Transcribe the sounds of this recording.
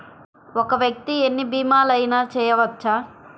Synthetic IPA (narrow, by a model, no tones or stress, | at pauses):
ɔkɐʋjɐk̚t̪ienːibiːmaːlɐjnaːt͡ʃɛːjɐʋɐt͡ʃːaː